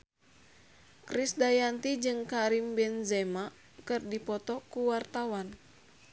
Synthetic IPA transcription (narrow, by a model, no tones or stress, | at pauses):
kɾisdajant̪id͡ʒɨŋkaɾimbɛnzɛma | kɨrdipɔt̪ɔkuwart̪awan